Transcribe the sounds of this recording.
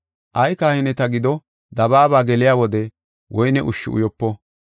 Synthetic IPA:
ʔɐjkaːhɪnɛt̪ɐɡɪd̪ɔ | d̪ɐbaːbaːɡɛlɪjaːwɔd̪ɛ | wʔɔjnɛʔʊʃːɪʊ̰jɔpːɔ

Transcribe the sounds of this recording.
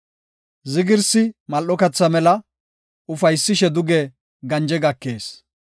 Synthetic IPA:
zɪɡɪɾsɪmɐlːɔkɐt͡sːɐmɛlɐ | ʊfɐjsːɪʃɛd̪ʊɡɛ | ɡɐnd͡ʒɛɡɐkːeːs

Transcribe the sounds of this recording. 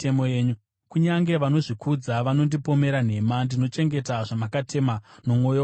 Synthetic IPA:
emojeːɲu | kuɲaŋɡe̞ʋano̞ʐikʰud͡zaʋano̞ndipo̞me̞ɾan̤e̞mandino̞t͡ʃe̞ŋɡe̞taʐamakatʰe̞mano̞mŋo̞jo

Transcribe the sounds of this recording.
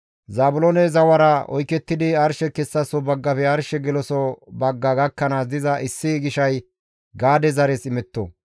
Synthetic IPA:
zaːbʊlɔnɛzɐwɐɾɐɔ̰jkɛt̪ːɪd̪ɪɐɾʃɛkɛsːɐsɔbɐɡːɐpɛɐɾʃɛɡɛlɔsɔbɐɡːɐɡɐkːɐnaːsd̪ɪzɐʔɪsːɪɡɪʃɐj | ɡaːd̪ɛzɐɾɛsɪmɛt̪ːo̰

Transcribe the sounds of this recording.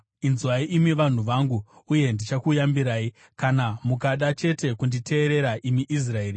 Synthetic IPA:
inzwaiʔimiʋan̤uʋaŋɡuːje̞ndit͡ʃakujambiɾaːi | kanamukaɗat͡ʃe̞te̞kundite̞ːɾe̞ɾaʔimiʔis̬rae̞ːri

